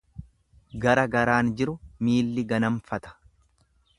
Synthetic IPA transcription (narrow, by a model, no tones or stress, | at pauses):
ɡɐɾɐɡɐɾaːnd͡ʒɪɾʊmiːlːɪɡɐnɐɱfɐt̪ɐ̥